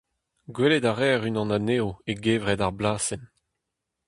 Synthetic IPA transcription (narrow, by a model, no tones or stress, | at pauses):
ɡweledaʁɛːʁynɑ̃naneːoeɡeːvʁɛdaʁblaːsɛn